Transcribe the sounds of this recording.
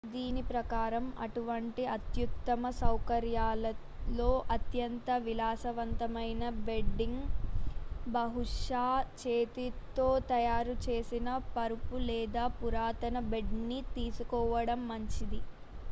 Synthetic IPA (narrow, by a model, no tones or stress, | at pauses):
d̪iːnipɾɐkaːɾɐmɐʈuʋɐɳʈiɐt̪jukt̪ɐmɐsɐwkɐɾjaːlɐ | lo̞ːʔɐt̪jɐnt̪ɐʋilaːsɐʋɐnt̪ɐmɐjnɐbe̞ɖːiŋɡ | bɐɦuʂaːt͡ʃeːt̪it̪o̞ːt̪ɐjaːɾut͡ʃe̞ːsinɐpɐɾupulɛːd̪aːpuɾaːt̪ɐnɐbe̞ɖnit̪iːsukɔːʋɐɽɐmːɐɲt͡ʃid̪i